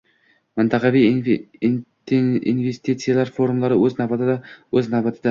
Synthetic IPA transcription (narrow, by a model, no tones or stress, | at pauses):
mənt̪ʰɑqɑvij | ḭnvest̪it̪sɨjalˠɑɾfo̞ɾumlˠɑɾəwɵznɑbɑt̪əd̪ɑwɵznɑbɑt̪ʰəd̪ɑ